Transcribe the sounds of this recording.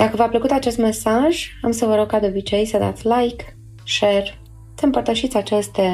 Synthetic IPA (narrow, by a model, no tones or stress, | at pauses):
d̪̥akəvapləkut̪at͡ʃe̞st̪me̞saʒamsəvəɾoɡ̚kad̪eobit͡ʃe̞jsəd̪a̰t̪sʲlajk | ʃe̞r | səɨmpərt̪əʃit̪sʲat͡ʃest̪e